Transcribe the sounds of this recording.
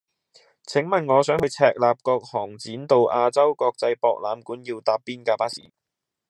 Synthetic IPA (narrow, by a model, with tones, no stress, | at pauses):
t͡sʰɪ˨˥ŋmɐ˨nŋɔː˨˧sœː˨˥ŋhɵ˨˧t͡sʰɛː˧k̚laː˨p̚kɔː˧k̚hɔː˨˩ŋt͡siː˨˥nt̪o˨wʔaː˧t͡sɐ˥wkɔː˧k̚t͡sɐ˧jpɔː˧k̚laː˨˧mkuː˨˥njiː˧wt̪aː˧pːiː˥nkaː˧paː˥sḭː˨˩